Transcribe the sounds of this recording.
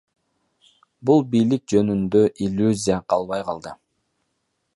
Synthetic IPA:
bulˠbijlik̚d͡ʒø̞nynd̪øʔilʲːuzʲijaqʰɑlˠβɑjqʰɑlˠd̪ɯ

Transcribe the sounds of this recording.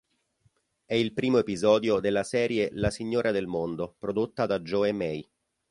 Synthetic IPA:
ɛilpɾiːmoepizɔːd̪jod̪elːasɛːɾjelasiɲːoːɾʔad̪elmond̪opɾod̪ot̪ːad̪ad͡ʒɔemɛj

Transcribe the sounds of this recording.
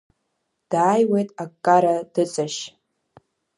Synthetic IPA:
d̥aːjwe̞jtʼakʼːaɾad̥ɨt͡sʼaʃ

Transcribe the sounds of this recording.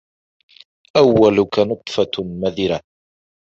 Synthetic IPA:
ʔawːalʊkanʊt̪ˤfɑmaðɪɾa

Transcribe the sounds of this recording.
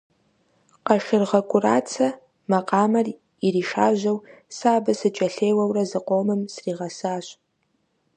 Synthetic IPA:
qɐʃɪrʁɐkʷʼʊraːt͡sʰɐ | mɐqʼɑːmɐr | iriːʃaːʒɐwsaːbɐsɨt͡ʃʼɐɬeːwɐwrɐzɨqʷoːmɨmsriːʁɐsaːɕ

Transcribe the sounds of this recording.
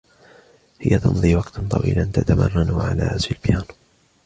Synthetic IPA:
hɪjat̪ɑ̰nðˤiːwɑqt̪t̪ˤɑ̰wiːlʔant̪at̪amɑ̰rˤːɑnʕala̰ːʔazfɪlbjaːn

